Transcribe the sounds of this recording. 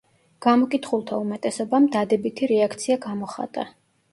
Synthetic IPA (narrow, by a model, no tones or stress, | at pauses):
ɡ̥amɔkʼit̪ʰχulˠt̪ʰaumɛt̪ʼɛsɔbamd̪ad̪ɛbit̪ʰiɾɛakʰt̪sʰiaɡamɔχa̰t̪ʼa